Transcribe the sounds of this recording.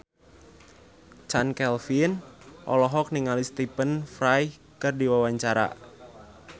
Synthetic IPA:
t͡ʃankɛlfinʔɔ̰lɔɦɔk̚niŋalist̪ipənfɾaj | kɨrdiwawaɲt͡ʃaɾa̰

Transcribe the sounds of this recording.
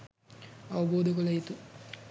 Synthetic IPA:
ɐʋɐboːd̪ɐkɐlɐjit̪u

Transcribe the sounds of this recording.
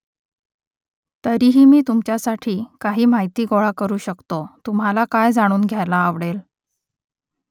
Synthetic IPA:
t̪əɾiːɦiːmiːt̪umt͡ɕjasaʈʰiːkaɦiːm̤ajt̪iːɡoɭakəɾuːɕəkt̪ot̪um̤alakajd͡zaɽ̃uːnɡʱjalaːʋɽel

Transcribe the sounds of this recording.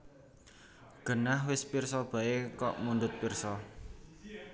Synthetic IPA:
ɡ̥ə̤nahwɪspirsɔb̥a̤ekɔʔmundʊt̪̚pirsɔ

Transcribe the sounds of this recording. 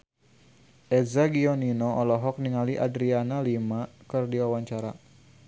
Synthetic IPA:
ʔɛzaɡiɔninɔɔlɔɦɔk̚niŋaliʔadɾianalimakɨrdiwawaɲt͡ʃaɾa

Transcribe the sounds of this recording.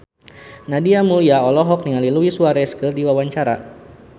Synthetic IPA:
nadiamuliaɔlɔɦɔk̚niŋaliluisuaɾɛskərdiwawaɲt͡ʃaɾa̰

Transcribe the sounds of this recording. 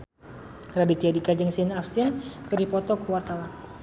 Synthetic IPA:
radit̪iadikad͡ʒəŋsinafst̪inkɨɾipɔt̪ɔkəwart̪awan

